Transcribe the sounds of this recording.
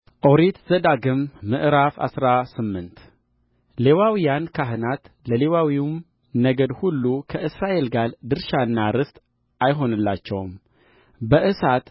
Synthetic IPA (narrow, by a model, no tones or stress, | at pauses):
ʔo̞ɾet̪z̥əd̪aɡɨmːɨʔɾafa̰sɾasɨmːɨnt̪ | le̞wawijankʰaɦɨnat̪ | ləle̞wawim | nəɡəd̪hulːukʰəʔɨsɾaʔe̞lɡald̪ɨɾʃaɨnːaɾɨst̪ʼ | ʔajɦo̞nɨlːat͡ʃːɛwm | bəʔɨsat̪